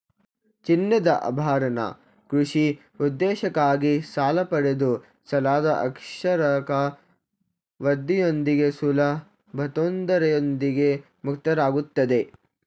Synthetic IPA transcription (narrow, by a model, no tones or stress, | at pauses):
t͡ʃinːɐd̪ɐʔɐ̰bʱaːɾɐnɐ̰ | kɾuʂi | ud̪ːɛːʃɐkaːɡisaːlɐpɐɽed̪u | sɐlaːd̪ɐʔɐkʂɐɾɐkɐ | ʋɐd̪ːijo̞nd̪iɡe̞sulɐ | bʱɐt̪oːnd̪ɐɾɐjond̪iɡe̞ | mukt̪ɐɾaːɡut̪ːɐd̪e̞